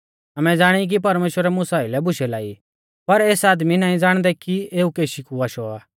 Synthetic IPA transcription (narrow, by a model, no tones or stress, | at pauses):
ɐmɛ̃d͡zaːɽ̃ik̬ipɐɾmeːʃwəɾɛmʊ̃saːɪlɛbʊʃɛlaːḭ | pɐɾeːsaːd̪minaːĩd͡zaːɽ̃d̪ɛkieːukeːʃikuaːʃɔaː